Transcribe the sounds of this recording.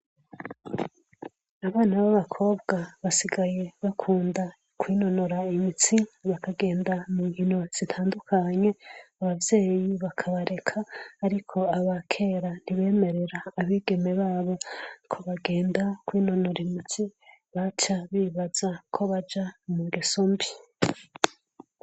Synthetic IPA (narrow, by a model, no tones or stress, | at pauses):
aβaːnaβaβakʰo̞ːbɡaβasiɡaje̞βakʰuːnda | kwiːno̞noɾaimit͡siβakaɡe̞ːndamuŋhino̞z̥itʰaːndukʰaɲe̞aβavje̞ːjiβakʰaβaɾe̞kʰaːɾikʰo̞aβakʰe̞ɾaniβe̞ːme̞ɾe̞ɾaːβiːɡe̞me̞βaːβo̞kʰo̞βaɡe̞ːndakwiːno̞noɾimit͡si | βat͡ʃaβiβaz̥akʰo̞βad͡ʒamuɡisombi